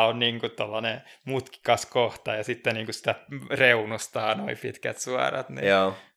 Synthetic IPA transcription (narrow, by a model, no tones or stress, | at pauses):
onniːŋkut̪olːɑnemut̪ki̥kɑskoht̪ɑjɑsit̪ːeniːŋkussi̥t̪æreunust̪ɑːno̰ipḭt̪kæ̰t̪suɑ̰rɑ̰t̪nḭoː